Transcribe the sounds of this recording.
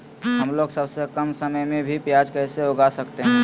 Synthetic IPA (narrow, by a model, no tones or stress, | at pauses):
ɦəmloːɡsəbsekəmsəməjmẽbʱipjad͡ʒkɛːseoɡasəkt̪eɦɛ̃